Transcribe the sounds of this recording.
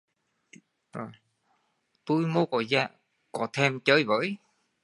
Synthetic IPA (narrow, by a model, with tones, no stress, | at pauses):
zo˨˩j | t̪u˧jmo˧˦kɔ˧˩zaː˧˩ | kɔ˧˩t̪ʰɛ˧mt͡ɕəː˧˦jvə̰ː˧˨˥j